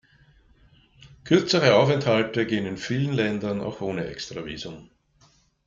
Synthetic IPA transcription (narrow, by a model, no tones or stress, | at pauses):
kʰʏɐt͡səʁəaʊfɛnthaltəɡeːənɪnfiːlənlɛndɐna̰ʊxʔoːnəʔɛ̰kstʁ̥avḭːzʊm